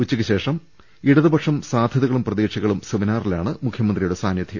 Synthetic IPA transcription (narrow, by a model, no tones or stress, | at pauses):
ut͡ɕːukːɨɕe̞ːʂɐm | iɽɐðɨbɐkʂɐmsaːd̪ʱjɐðɐɣɐɭumprɐðiːʂiɣɐɭumsuʋinaːrilaːɳɨmukʰjɐmɐnd̪rijuɽesaːnjɐd̪ʰʱi